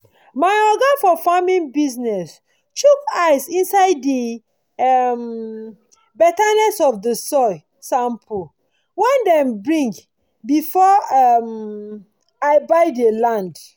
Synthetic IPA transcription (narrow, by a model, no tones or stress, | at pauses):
maɪɔɡafɔfamĩnbiznɛs | t͡ʃukaɪsĩnsaɪdːi | ɛm | bɛtanɛsɔfdəsɔɪ | sãmpʰu | wɛ̃ndɛ̃mbɹĩŋɡ | bifɔam | aɪbaɪdəlãnd